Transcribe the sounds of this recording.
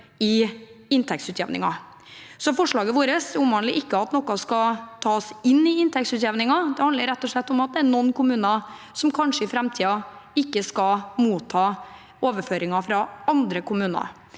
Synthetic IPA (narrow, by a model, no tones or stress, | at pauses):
ɪɪnt̪ʰɛk̚tsʉːt̪jɛ̰ʋnɪ̰ŋɑ̰ | sɔfɔʂɭɑːɡəʋoːɾəsʊmʋɑːnlɪʔɪkːəɑt̪nɔkːɑskɑt̪ʰɑːsɪnːɪɪnt̪ʰɛkt̪sʉːt̪jɛʋnɪŋɑd̪ɛhɑnd̪əɾɛt̪ːɔʂɭɛt̪ːɔmɑt̪̚d̪ɛænɔnːkʰʊmʉːnɑ | sɔmkʰɑnʂəɪfɾɛmt̪ʰiːɑɪkːəskɑmuːt̪ʰːɑː | oːʋəɾføːɾɪŋɑfɾɑɑnd̪ɾəkʊmʉːnɑ̰ɾ